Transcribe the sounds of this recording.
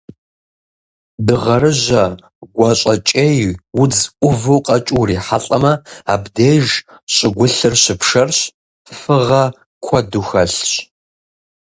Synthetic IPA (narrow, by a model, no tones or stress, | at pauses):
dɨʁɐrɨʑɐ | ɡʷɐɕʼɐt͡ʃʼejwʊd͡zʔʷʊvuːqʼɐt͡ʃʼuriːħaɬʼɐmɐaːbdeːʒ | ɕʼɪɡʷʊɬɨrɕɪpʰʂɐrɕ | fɨʁɐ | kʷʰɔduxɐɬɕ